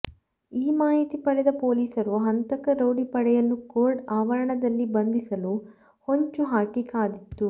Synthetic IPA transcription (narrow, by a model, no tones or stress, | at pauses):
iːmaːɦit̪ipɐɽɛd̪ɐpo̞ːliːsɐɾuɦɐnt̪ɐkɐɾɐwɽipɐɽɛjɐnːukoːɾɖaːʋɐɾɐɳɐd̪ɐlːibɐnd̪isɐlu | ho̞ɲt͡ʃuɦaːkikaːd̪it̪ːu